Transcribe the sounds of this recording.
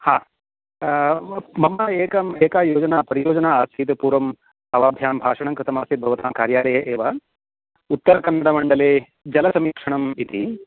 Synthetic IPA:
haː | mɐmːɐeːkɐmeːkaːjoːd͡ʒɐnaːpɐɾijoːd͡ʒɐnaːaːsiːt̪ɐpuːɾʋɐm | ɐʋaːb̪ʱjaːmbʱaːʂɐɳɐŋkɾɪt̪ɐmaːst̪it̪̚bʱɐʋɐt̪aːmkaːɾjaːlɐjɐʔeːʋɐ | ut̪ːɐɾɐkɐnːɐɽɐmɐɳɖɐleː | d͡ʒɐlɐsɐmiːkʂɐɳɐmit̪i

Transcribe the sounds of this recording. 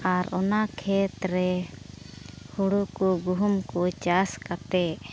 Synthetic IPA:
aɾɔnakʰɛt̪ɾɛ | huɽukɔɡuɦumkɔt͡ʃaskat̪ɛʔ

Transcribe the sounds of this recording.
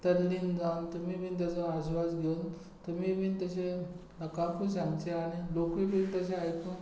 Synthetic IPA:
t̪əlːiːnd͡zawnt̪umibiːnt̪̬jat͡sɔaɕʋad͡zɡʱeun | t̪umipiːnt̪əɕenəkãkuɕãŋɡt͡ɕeaɽ̃ilokʋibiːnt̪əɕeajkuːn

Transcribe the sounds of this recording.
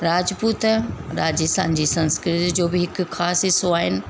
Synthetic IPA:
ɾaːd͡ʑpuːt̪ɾaːd͡ʑisã̰ːɲd͡ʑisɐ̃nskɾɪt̪d͡ʑoːbɪɦɪkxʰaːsɪsoaːɦɪnɪ̆

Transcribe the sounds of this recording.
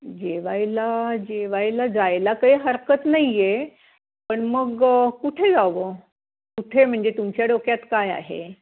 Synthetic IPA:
d͡ʑeʋajlad͡ʑeʋajlad͡zajlakəiːɦəɾkət̪naije | pəɳməɡkuʈʰed͡zaʋo | kuʈʰem̤əɳd͡zet̪umt͡ɕjaɽokjat̪kaja̰ɦḛ

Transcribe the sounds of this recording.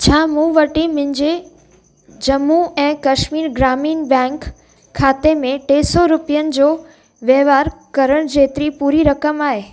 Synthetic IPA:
t͡ɕʰaːmũʋɐʈimɪ̃ɲd͡ʑe | d͡ʑɐmːuɛ̃ːkɐʃmiːɾɡɾaːmiːnbɛ̃ːŋkʰː | aːt̪emẽʈeːsɔɾʊpijənɪ̆d͡ʑoː | ʋjəʋaːɾkɐɾəɽ̃d͡ʑeːt̪ɾipuːɾiɾɐkəmaːɦeː

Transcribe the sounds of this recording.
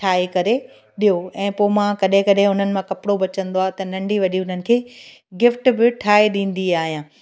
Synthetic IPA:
ʈʰaːekɐɾe | ɗijoɛ̃ːpomãkɐɗɦɪ̃kɐɗɦɪ̃ʊn̤ənɪ̆mãkɐpɽobɐt͡ɕə̃nd̪oaːɦt̪ɐnɐ̃ɳɖiʋɐɗiʊn̤ənɪ̆kʰeː | ɡɪfʈbɪʈʰaːeɗĩːn̆d̪iaːɦijãː

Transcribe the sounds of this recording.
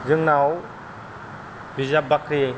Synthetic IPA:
zɯŋnaw | bizabakɾe

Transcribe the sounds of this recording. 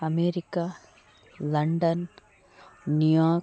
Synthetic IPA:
ɐmeːɾikːa | lɐɳɖɐn | nijaː

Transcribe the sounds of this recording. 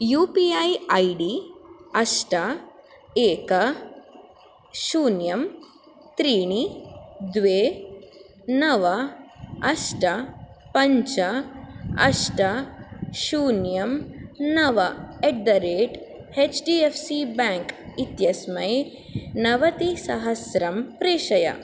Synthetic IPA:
juːpiɐjɐjɖiɐʂʈɐ | eːkɐ | ʃuːnjɐm | t̪ɾiːɳid̪ʋeː | nɐʋɐɐʂʈɐ | pɐɲt͡ʃɐ | ɐ̰ʂʈɐʃuːnjɐmnɐʋɐeʈ̚d̪ɐɾeːʈ | eːt͡ʃɖiːefʰsibaːŋkit̪jɐsmɐj | nɐʋɐt̪isɐɦɐsɾɐmpɾeːʃɐjɐ̰

